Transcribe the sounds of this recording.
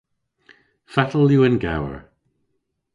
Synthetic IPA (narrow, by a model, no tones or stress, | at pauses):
fatʰəl̩ˠjuənɡa̰wə̰ɹ